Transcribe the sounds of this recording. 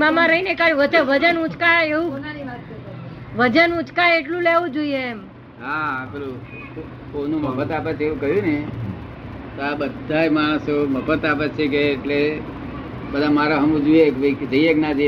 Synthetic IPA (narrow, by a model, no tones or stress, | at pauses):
mamãɾəɦinekaɾjũʋət͡ʃəʋəd͡ʒənũt͡ʃkaeũ | ʋəd͡ʒənũt͡ʃkaeʈlũleʋũd͡ʒoiem | ɦaːpelu | konũməpʰət̪ap̬ət͡ʃʰeʋũkəɦjũne | t̪oabəd̪ʱajmaɽ̃soməpʰət̪ap̬ət͡ʃʰek̬eːʈle | bəd̪ʱamaɾaɦəmũd͡ʒuekʋikd͡ʒəieknad͡ʒə